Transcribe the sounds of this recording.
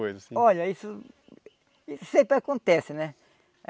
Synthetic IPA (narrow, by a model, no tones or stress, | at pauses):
ojzɐsĩɔʎɐisʊ | isẽpɾɪakõnt̪ɛsɪnɛ